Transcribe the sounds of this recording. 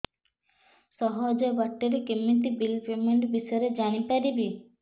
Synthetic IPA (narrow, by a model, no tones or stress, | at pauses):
sɔɦɔd͡ʒɔbaʈːeɾekemːit̪̬ibilpemeɳʈbisɔjɾed͡ʒaɽ̃ipaɾibi